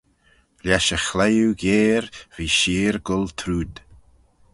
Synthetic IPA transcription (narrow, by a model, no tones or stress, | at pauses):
ljaʃəxlɛjuɡeːɾviːʃiːɹɡʊlt̪ʰɾuːd̪